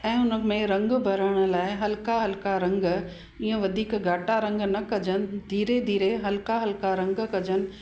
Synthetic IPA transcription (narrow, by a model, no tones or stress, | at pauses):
ɛ̃ːʊnə̆mẽɾɐ̃ŋɡbʱɐɾəɽ̃ʊ̆laːɪɦɐlɪkaɦɐlkaɾɐ̃ŋɡ | iːə̃ʋɐd̪ʱiːkɡʱaːʈaɾɐ̃ŋɡnɐkɐd͡ʑənɪ̆d̪ʱiːɾed̪ʱiːɾeɦɐlkaɦɐlɪkaɾɐ̃ŋɡkɐd͡ʑənɪ̆